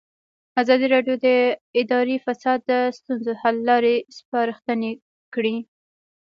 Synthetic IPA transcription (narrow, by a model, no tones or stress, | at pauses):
azɑd̪iɾɑɖjod̪əɪd̪ɑɾifasɑd̪ːəst̪unzohalːɑɾespɑɾəxt̪əne | kɽi